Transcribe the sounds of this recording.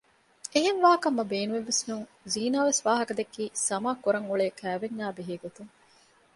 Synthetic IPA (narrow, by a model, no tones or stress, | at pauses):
eɦenʋaːkɐmːɐbeːnueʋːesnuŋ | ziːnaːʋesʋaːɦɐkɐd̪ekːiːsɐmaːkuɾɐŋuɭeːkæːʋenːaːbeɦeːɡot̪uŋ